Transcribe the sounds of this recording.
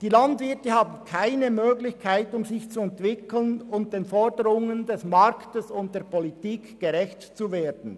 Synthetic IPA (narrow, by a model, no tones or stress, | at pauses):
d̥iːlandvɪɐtəhaːbn̩kʰaɪnəmøːɡlɪçkʰaɪtʊmzɪçt͡suɛntv̥ɪkl̩nʊnt̚d̥eːnfɔɾdəɾʊŋəndɛsmɑɾktəsʊnt̚d̥eːpʰɔlitiːkɡ̥əʁɛçtt͡suveːɾdn̩